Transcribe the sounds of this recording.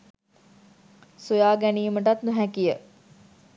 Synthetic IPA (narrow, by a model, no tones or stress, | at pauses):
sujaːɡæniːməʈat̪nuɦækijə